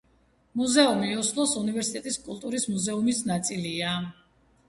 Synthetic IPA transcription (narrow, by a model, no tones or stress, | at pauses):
muzɛumiɔslˠɔsunivɛɾsit̪ʼɛt̪ʼiskʼulˠt̪ʼuɾismuzɛumisnat̪sʼilia